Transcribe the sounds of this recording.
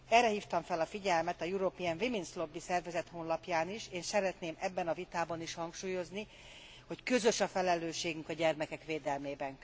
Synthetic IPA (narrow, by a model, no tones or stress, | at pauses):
ɛrɛhiːft̪ɒɱfɛlɒfiɟɛlmɛt̪ɒjuɾopiɛnviminslo̞bːisɛrvɛzɛt̪hoːnlɒpjaːniʃeːnsɛɾɛt̪neːmɛbːɛnɒvit̪aːbɒniʃhɒŋkʃuːjo̞zni | ho̞ckø̞zø̞ʃɒfɛlɛløːʃeːɡyŋkɒɟɛrmɛkɛkʋeːd̪ɛlmeːbɛŋ